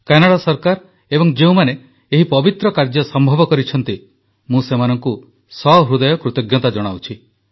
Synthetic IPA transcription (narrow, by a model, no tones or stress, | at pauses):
kanaɽasɔɾkaɾ | ebɔŋd͡ʒeũmane | eɦipɔbit̪ɾɔkaɾd͡ʒɔsɔmbʱɔbɔkɔɾit͡ʃʰɔn̪t̪i | mũsemanɔŋku | sɔɾud̪ɔjɔkɾut̪ɔɡjɔt̪ad͡ʒɔɽ̃awt͡ʃʰi